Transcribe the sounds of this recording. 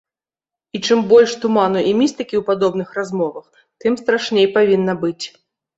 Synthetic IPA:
it͡ʂɨmbɔlʲʂt̪umanuʔimʲist̪ɨkʲiwpad̪ɔbnɨxrazmɔvɐx | t̪ɨmst̪ɾaʂnʲejpavʲinːɐbɨt͡sʲ

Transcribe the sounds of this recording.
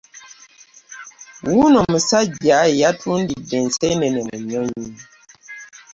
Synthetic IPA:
wunɔməsaɟajatʰundidɛnsɛnɛnɛməɲɔɲi

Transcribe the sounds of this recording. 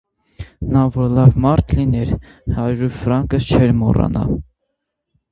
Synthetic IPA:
nɑvɔɾlɑvmɑɾt̪ʰlinɛɾ | hɑɾɾufɾɑŋkəst͡ʃʰɛɾmɔ̰rɑ̰nɑ̰

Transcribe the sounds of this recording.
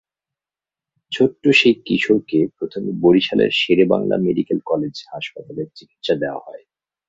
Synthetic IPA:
t͡ɕʰoʈːoʃejkiʃoɾkepɾot̪ʰomiboɾiʃalḛɾʃeɾeba̰ŋla̰meɖikelkɔled͡ʑhaʃpat̪aleɾt͡ɕiki̥t̪ʃad̪eoa̰hɔe

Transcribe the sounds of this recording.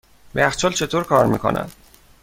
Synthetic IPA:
beæxt͡ʃʰɒːlt͡ʃʰe̞t̪ʰoːɾkʰɒːɾmiːkʰo̰nʔæ̰n

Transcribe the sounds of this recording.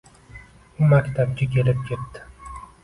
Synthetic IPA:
ʊmakʲt̪ʰab̚kʲakʲʰe̞lɪp̚kʲʰep̚t̪ɪ̥

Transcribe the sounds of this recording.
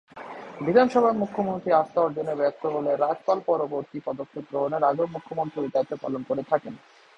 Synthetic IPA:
bid̪ʱanʃɔbʱamukʰːomont̪ɾiast̪aoɾd͡ʑonːebɛk̚t̪oɦoleɾad͡ʑpalpɔɾoboɾt̪ipɔd̪okʰːep̚ɡɾoɦoneɾaɡomukʰːomont̪ɾied̪at̪ːopa̰lonkoɾet̪ʰaken

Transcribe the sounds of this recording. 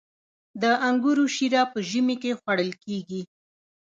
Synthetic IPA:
d̪əʔaŋɡuɾuʃiɾɑpəʒəmikexwaɽəlkeɡi

